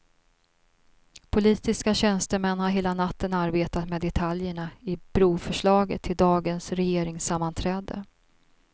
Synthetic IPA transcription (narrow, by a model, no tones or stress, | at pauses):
pʰʊliːt̪ɪskaɕɛnst̪əmɛnːhaɾɦeːlanat̪ːənaɾbeːt̪at̪meːd̪ɛt̪ʰaljəɳaɪb̥ɾuːfœʂɭɑːɡə̰t̪ʰːɪld̪ɑːɡənsɾɛjeːɾɪŋsamːant̪ʰɾɛːd̪ə̰